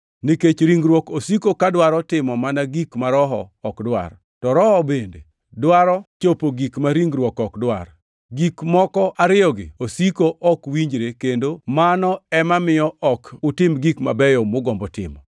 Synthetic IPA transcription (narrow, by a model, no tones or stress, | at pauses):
niket͡ʃɾiŋɡɾwɔkosikokadwaɾɔtɪmɔmanaɡikmaɾɔɦɔ̰ːkdwa̰r | tɔɾɔhɔbendḛ | dwaɾɔt͡ʃopoɡikmaɾiŋɡɾwɔkɔkdwa̰r | ɡikmɔkɔʔaɾɪɔɡɪ̰osikoʔɔkwiɲd͡ʒɾekendomanɔɛmamɪjɔʔɔkʊtɪmɡikma̰bɛjɔmʊɡɔmbɔtɪ̰mɔ̰